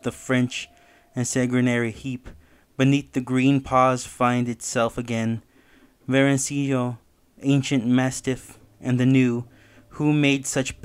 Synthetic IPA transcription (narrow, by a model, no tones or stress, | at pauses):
ðəfɹɛ̃nt͡ʃ | ɨ̃nsɛɡɹɨnɛɹihip | b̥ɨniθðɨɡɹĩnpʰɔz̥fãɪ̃ndɨtsɛlˠfɨɡɛ̃n | vɛɹɨ̃nsijo | ẽɪ̃nʃɨ̃nmæstɨf | ʔɨ̃nðɨnʉ | humeɪdsʌt͡ʃb̥